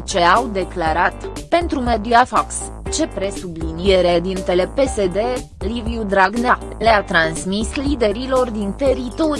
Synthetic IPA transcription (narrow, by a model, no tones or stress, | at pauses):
t͡ʃe̞awd̪e̞klaɾat̪pe̞nt̪ɾume̞d̪iafaks | t͡ʃe̞pɾe̞sublinije̞ɾe̞d̪int̪e̞le̞pe̞sed̪e̞ | liviud̪ɾaɡna | leat̪ɾansmislid̪e̞ɾilo̞rd̪int̪e̞ɾit̪o̞ɾi